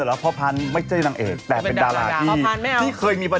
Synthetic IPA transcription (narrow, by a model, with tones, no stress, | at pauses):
la˦pʰɔ˦˥pʰa˧˥nma˥˩jt͡ɕʰa˥˩jna˧ŋʔeː˨˩t̪ːɛː˨˩pe˧ndaː˧wlaː˧kiː˧˩˧tʰiː˥˩kʰɤː˧jmiː˧pa˧